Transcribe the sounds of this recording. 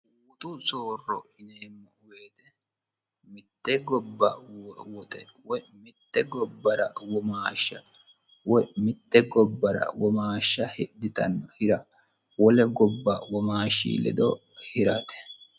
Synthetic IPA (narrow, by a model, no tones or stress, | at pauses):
wwʊt̪ʊt͡sʼoːrːɔɪneːmːɔʊweːt̪ɛ | mɪt̪ːɛɡɔbːɐwwɔt̪ʼɛwɔjmɪt̪ːɛɡɔbːɐɾɐ̰wɔmaːʃːɐ | wɔjmɪt̪ːɛɡɔbːɐɾɐ̰wɔmaːʃːɐhɪd̪ɪt̪ɐ̰nːɔhɪɾɐ | wɔlɛɡɔbːɐwɔmaːʃːḭːlɛ̰d̪ɔ | hɪɾɐt̪ɛ̥